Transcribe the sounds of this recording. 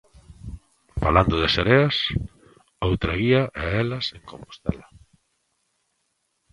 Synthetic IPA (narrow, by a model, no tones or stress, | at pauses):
faland̪ʊðɪseɾeas | owt̪ɾaɣiɐʔeɛlɐseŋkõmpo̥st̪ɛ̰lɐ